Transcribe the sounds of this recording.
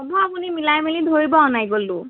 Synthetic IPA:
ɔbʱɔapunimilajmilidʱoɹibɔɔnajɡolʊ̃

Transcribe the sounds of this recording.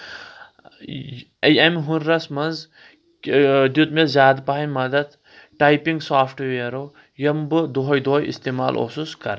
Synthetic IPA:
ɐjɐmiɦunɾɐsmɐnz | d̪ut̪̚mezzʲaːd̪paːɐjmɐd̪ɐd̪ | ʈajpiŋɡsaːfʰʈʋeːɾoː | jɐmbɨd̪oɦɐjd̪oːjḭst̪emaːlʔo̰suskɐɾ

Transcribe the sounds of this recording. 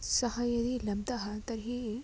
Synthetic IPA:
sɐhɐjɐd̪ilɐmt̪ɐɦɐt̪ɐɾɦi

